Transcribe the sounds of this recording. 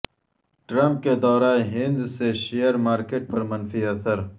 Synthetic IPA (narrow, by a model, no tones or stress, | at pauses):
ʈɾɐ̃mp̚ked̪ɔːɾaːɦɪ̃nd̪seʃejəɾmaːɾkeʈ̚pɐɾmɐnfiɐsɐɾ